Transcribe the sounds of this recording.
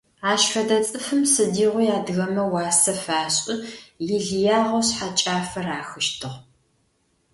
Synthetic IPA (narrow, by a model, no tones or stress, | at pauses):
aːʃfɐdɐt͡sʼɨfɨmsɨdiːʁʷʊjaːdɨɣɐmɐwɑːsɐfaːɕʼɪjɪɮjaːʁɐwɕħat͡ʃʼaːfɐraːxɨʃtʰɨʁ